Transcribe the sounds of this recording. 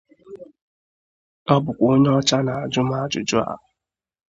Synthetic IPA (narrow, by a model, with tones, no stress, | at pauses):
ɔ˦bʊ˨kʷo˦ɲe˦ɔ˦t͡ʃa˦na˨a˨d͡ʒʊ˦m˦a˦d͡ʒʊ̰˨d͡ʒʊ˦a̰˨ɦʊ˨